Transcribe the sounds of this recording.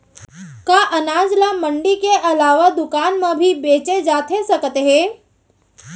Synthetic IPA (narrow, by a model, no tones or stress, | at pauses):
kaːʔɐnaːd͡ʒlamɐ̃ɳɖikeʔɐlaːʋad̪ʊkaːnmãbʱibeːt͡ʃed͡ʒaːt̪esɐkt̪eɦɛ̃ː